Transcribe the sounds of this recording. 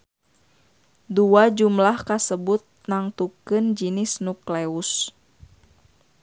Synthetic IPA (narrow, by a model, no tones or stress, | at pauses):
duad͡ʒumlahkasəbut̪̚naŋt̪ukɨnd͡ʒinɪsnukleus